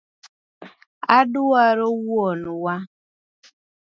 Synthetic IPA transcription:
adʊwaɾowuɔnʊwa

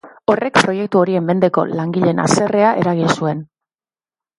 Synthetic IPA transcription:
o̞re̞kpɾo̞je̞k̚t̪uo̞ɾie̞mːe̞nd̪e̞ko̞̰laŋɡiʎe̞na̰se̞re̞aʔe̞ɾaɣ̞insue̞n

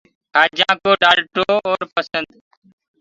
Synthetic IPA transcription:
haːd͡ʒãːkoːɖaːlʈoːoːɾpəsənd̪

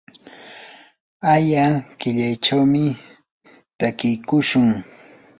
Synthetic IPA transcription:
ajakɪʎajʈ͡ʂawmɪ | t̪akɪkʊʃʊŋ

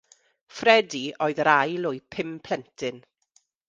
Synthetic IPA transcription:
frɛdiʔɔːɨðɾajlojpʰɪmpʰl̥ɛntʰɨn

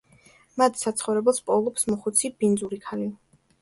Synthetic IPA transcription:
mat̪ʰsat̪sʰχɔvɾɛbɛlˠspʼɔlˠɔpsmɔχut̪sʰibind̪zuɾikʰali

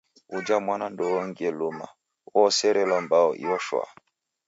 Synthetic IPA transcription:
ud͡ʒamwanandɔwɔŋɡiɛluma̰ | wɔsɛɾɛlambaɔʔḭwɔʃwa̰

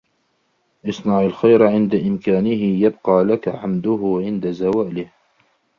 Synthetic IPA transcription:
ʔɑsˤnɑʕalxajɾʕɪnd̪aʔɪmkaːnɪɦɪjabqɑːlakaʕamd̪ʊɦʊʕɪnd̪azawaːlɪh

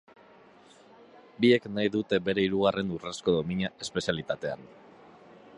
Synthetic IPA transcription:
bie̞knajðut̪e̞be̞ɾe̞iɾuɣ̞are̞nuresko̞ðo̞miɲae̞spe̞sialit̪at̪e̞a̰n

